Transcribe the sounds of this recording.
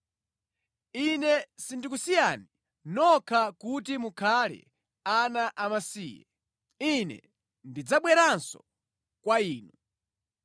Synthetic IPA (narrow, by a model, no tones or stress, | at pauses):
inɛsindikusijani | nɔkʰakutimukʰalɛ̰ | anaʔamasḭːjɛ̰ | inɛ̰ | ndid͡zaɓwɛɾansɔ̰ | kwaiːnu